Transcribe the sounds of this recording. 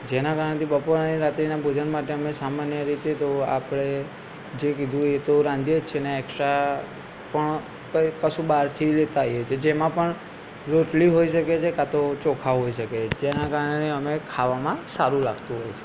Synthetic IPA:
d͡ʒenakaɾəɳet̪ʰibəpoɾniɾat̪ɾinabʱod͡ʒənmaʈeəmesamanjəɾit̪et̪oa̰pɽ̃e | d͡ʒekid̪ʱũet̪oɾãnd̪ijed͡ʒt͡ʃʰeneːksɾa | pəɳ | kəkəʃũbaɾt̪ʰilet̪aɦjet͡ʃʰed͡ʒemãpəɳ | ɾoʈliɦoiʃəket͡ʃʰekat̪ot͡ʃokʰaɦoiʃəked͡ʒenakaɾəɳeəmekʰaʋamãsaɾũla̰ɡt̪ũɦojt͡ʃʰe̥

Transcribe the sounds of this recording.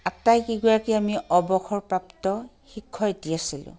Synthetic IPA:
atajkiɡɔɹakiamiɔbɔxʰɔɹpɹaptɔxikʰːɔetiasilʊ̰̃

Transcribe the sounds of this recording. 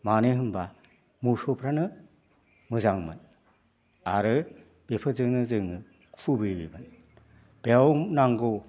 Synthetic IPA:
maneɦɯmba | musopʰɾanɯ | mɯzaŋmɯ̰n | aɾɯ | b̥epʰɯzɯŋnɯzɯŋɯ | kʰubɯjbḭbɯn | b̥ewmnaŋɡo

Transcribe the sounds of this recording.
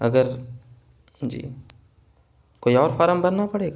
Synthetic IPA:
ɐ̰ɡəɾ | d͡ʒḭː | koːiɔːɾfɔːɾəmbɐnːapɐɽeːɡa

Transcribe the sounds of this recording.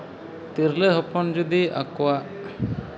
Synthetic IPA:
t̪iɾleɦɔpɔnd͡ʒud̪ia̰kɔwaʔ

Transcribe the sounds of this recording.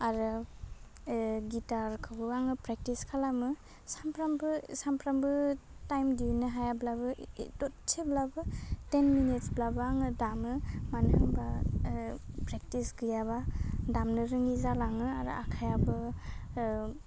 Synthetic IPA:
aɾɯ | ɡitaɾkʰɯbɯaŋɯpɾek̚tiskʰalamɯ | sampʰɾambɯsampʰɾambɯtajmdinɯɦajablabɯdɔtt͡ʃʰeblabɯtenminitsblabɯaŋɯdamɯmanhɯmba | pɾek̚tisɡɯjabadamnɯɾɯŋizalaŋɯaɾɯ̰ʔa̰kʰajabɯ

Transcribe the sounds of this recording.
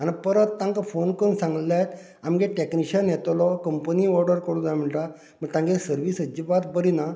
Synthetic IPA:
anipəɾət̪ːãŋkafonkənsãŋɡlajt̪ | amɡeʈekniɕənjɛt̪lɔkəmpəniɔɾɖəɾkəɾɽũd̪jam̤əɳʈa | məɡt̪ãŋɡesəɾʋiːsəd͡ʑibat̪bəɾina

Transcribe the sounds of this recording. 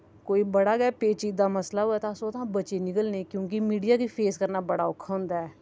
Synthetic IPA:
koːiːbəɽaːɡɛːpeːt͡ʃiːd̪aːməslaːɦoːɛːt̪aːsoːt̪ʰãːbəːt͡ʃeːnɪkəlnẽːkjõːk̬imiːɖijaːkipʰeːskəɾnaːbəɽaːʊkʰːaɦõːnd̪aːɛː

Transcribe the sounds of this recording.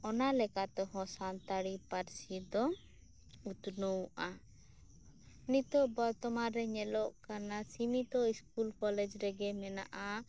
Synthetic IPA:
ɔnalɛkat̪ɔɦɔ̃sant̪aɽipaɾsid̪ɔ | ut̪nowʔa | nit̪ɔʔbɔɾt̪ɔmaɾɛɲɛlɔʔkanasimit̪ɔiskulkɔlɛd͡ʒɾɛɡɛmɛna̰ʔa

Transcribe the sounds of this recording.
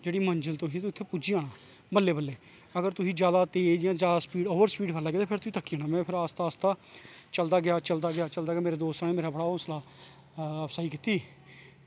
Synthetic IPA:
d͡ʒeːɽiːməɲd͡ʒəlt̪ʊsĩːt̪ɪt̪ʰːeːpuːd͡ʒiːãːɽãː | bəlːeːbəlːeː | əɡəɾt̪ʊsĩːd͡ʒjaːd̪aːt̪eːd͡ʒjãːd͡ʒjaːd̪aːspiːɖoːʋəɾspiːɖkʰəlaːɡɪeat̪eːpʰɪɾt̪ʊĩːt̪əkːiãːɳ̃aːmɛ̃ːpʰɪɾast̪aːst̪ãːt͡ʃəld̪aːɡɪjaːt͡ʃəld̪aːɡɪaːt͡ʃəld̪aːɡeaːmeːɾeːd̪oːst̪aːneːmeːɾaːbəɽaːɦõːslaː | əpsaːikɪt̪iː

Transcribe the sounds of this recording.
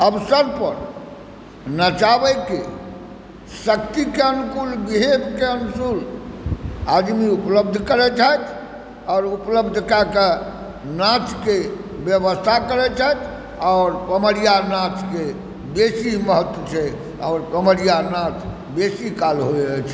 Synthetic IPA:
əbsəɾpəɾ | nat͡ʃabɛke | səkt̪ikeənukulbiɦebkeənusul | ad̪miupləbd̪ʱkəɾɛt͡ʃʰajt̪ʰ | ɔːɾupləbd̪ʱkake | nat͡ʃkebjəbəst̪ʰakəɾɛt͡ʃʰajt̪ʰ | ɔʊɾpəməɾijanat͡ʃke | besiməɦət̪wət͡ʃʰɛ | ɔːɾpɾəməɾijanãt͡ʃʰ | besikalɦot͡ʃʰ

